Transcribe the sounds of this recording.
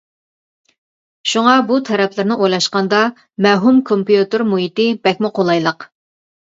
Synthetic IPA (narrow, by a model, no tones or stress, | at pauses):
ʃuŋɑbut̪ʰɛɾɛpʰlɪɾnɪʔojlˠɑʃqɑnd̪ɑ | mɛɦumkʰompjut̪ɨɾmuɦit̪ɪbɛkʲmɪqʰolˠɑjlˠəq